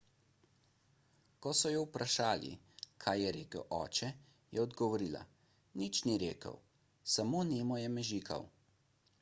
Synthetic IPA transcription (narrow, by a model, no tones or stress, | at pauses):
kɔsɔjɔwpɾaʃaːlḭ | kʰaːjɛɾeːkə̰wʔɔ̰ːt͡ʃɛ | jɛɔd̪ɡɔʋɔɾiːla̰ | nit͡ʃniɾeːkə̰w | samoːneːmɔjɛmɛʒiːkʰa̰w